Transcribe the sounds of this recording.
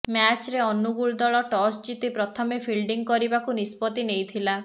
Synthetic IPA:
mjat͡ʃɾeɔnuɡuɭd̪ɔɭɔʈɔsd͡ʒit̪ipɾɔt̪ʰɔmepʰilɖiŋkɔɾibakunispɔt̪inejt̪ʰila

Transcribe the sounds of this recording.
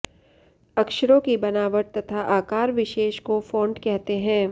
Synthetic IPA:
ɐkʃəɾõkibɐnaːʋəʈ̚t̪ɐt̪ʰaʔaːkaːɾʋɪʃeːʃkofõːɳɖkɛɦt̪eɦɛ̃ː

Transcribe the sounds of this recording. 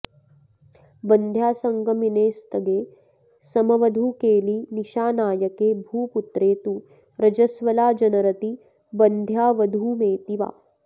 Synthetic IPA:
bɐnd̪ʱjaːsɐŋɡɐmineːst̪ɐɡeː | sɐmɐʋɐd̪ʱuːkeːliniʃaːnaːjɐkeːbʱuːput̪ɾeːt̪u | ɾɐd͡ʒɐsʋɐlaːd͡ʒɐnɐɾɐt̪i | bɐnd̪ʱjaːʋɐd̪ʱuːmeːt̪iʋa̰ː

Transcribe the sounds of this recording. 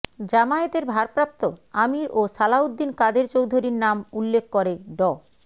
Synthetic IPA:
d͡ʑamaet̪eɾbʱaɾpɾap̚t̪oamiɾosalaud̪ːinkad̪eɾt͡ɕowd̪ʱoɾiɾnamulːekʰkoɾeɖɔ

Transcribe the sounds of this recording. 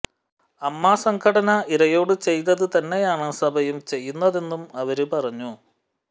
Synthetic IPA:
ɐmːaːsɐŋɡʰɐɽɐnɐiɾɐjo̞ːɽɨt͡ɕe̞jt̪̬ːɐðɨt̪ɐnːe̞jaːɳɨsɐbʱɐjumt͡ɕe̞jːunːɐðe̞nːumɐʋɐɾupɐrɐɲːu

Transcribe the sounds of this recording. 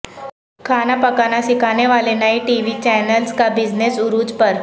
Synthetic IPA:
kʰanapəkanasikañeʋalenaɦiʈiʋit͡ɕɛnəlskabid͡znesuɾuːd͡zpəɾ

